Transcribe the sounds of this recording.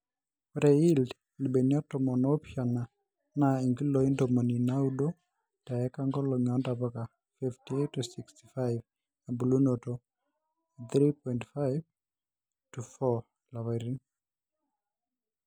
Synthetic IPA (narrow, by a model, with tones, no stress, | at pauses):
ɾɛ˨ild | li˨be˨nja˦tɔ˨mɔ˨nopja˨na˨ | na˨i˨ŋɡi˦lo˦i˦ndo˨mo˨ni˨na˦udo˦ | ta˨ɛ˦ka˦ŋɡɔ˦lo˨ɲɔ˦nda˨bɔka˨ | fiftietːusiksti̥˨faɪv | na˨bu˨lu˦no˨to | θɾipɔintfaɪv | tufɔ | la˨wa˨ɾi˦ŋ